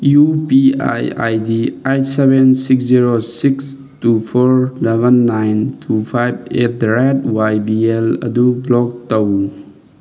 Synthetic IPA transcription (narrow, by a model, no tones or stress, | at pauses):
jupia̰ja̰jdiejtsebensiksziɾosiks | tupʰɔɾlebənːajntʰupʰajb̚et̚ɾɛtwajbielɐ̰dublɔk̚təw